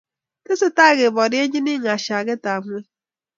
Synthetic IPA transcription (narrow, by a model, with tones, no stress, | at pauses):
kɪ˦sɪ˦ta˦˨ɣe˨bɔ˨dɪ˦e˦ɲi˦nɪ˦ŋ˨a˨ʃa˨ɣɪ˦ta˨ŋʷ˦e˦